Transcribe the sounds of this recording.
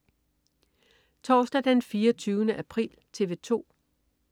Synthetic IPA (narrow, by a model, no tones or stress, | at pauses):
t͡sʰɒːsd̥æd̥enfiːɐt͡sʰyːʊnəʔæpʰʁḭːlt͡sʰe̝ʋe̝t͡sʰo̝̰ː